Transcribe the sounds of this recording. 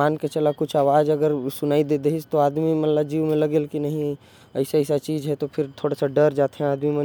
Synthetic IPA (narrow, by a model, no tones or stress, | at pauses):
aːnket͡ʃəlakʊt͡ʃʰaːʋaːd͡ʒəɡəɾsʊnaːid̪ed̪eɦist̪oaːd̪mimənləd͡ʒiːʋmẽləɡeːlkinəɦĩ | əɪseəɪsat͡ʃiːd͡ʒɦɛt̪opʰɪɾt̪ʰoːɽasaɖəɾd͡ʒaːt̪ɦɛ̃aːd̪mimən